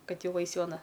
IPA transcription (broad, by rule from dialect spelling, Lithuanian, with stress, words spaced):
ˈkɐt ˈjɛʊ ˈɐɪs ˈjɛʊ ɐˈnɐ